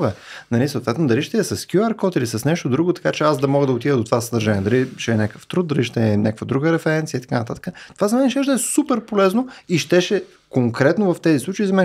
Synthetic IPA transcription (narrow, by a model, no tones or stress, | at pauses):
vɛnɐlisoːt̪vɛt̪nod̪ɐliʃt̪ɛɛsɐskjuaɾkɔt̪ilisəsnɛʃt̪od̪ɾuɡot̪ɐ̥kat͡ʃɛazd̪ɐmɔɡəd̪ɐot̪ivəd̪ot̪ovasəd̪əɾʒanʲiɛd̪ɐliʃɛɛnʲakə̥ft̪ɾut̪d̪̚d̪ɐliʃt̪ɛnʲʔakəkvəd̪ɾuɡəɾɛfɛɾɛnt̪siəit̪ɐ̥kanət̪at̪ə̥kət̪ovazɐmɛnɛʃɛʒd̪ɛsupɛɾpolɛznoiʃt̪ɛʃɛ | koŋkɾɛt̪novɐft̪ɛzislˠut͡ʃəizɐmɛn